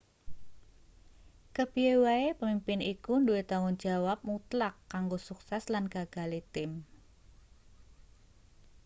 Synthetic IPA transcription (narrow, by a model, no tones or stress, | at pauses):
kəbiewaepəmimpɪnikunduet̪aŋʊnd͡ʒawap̚mut̪lakːaŋɡosuksɛslanɡ̥aɡ̥a̤let̪ɪm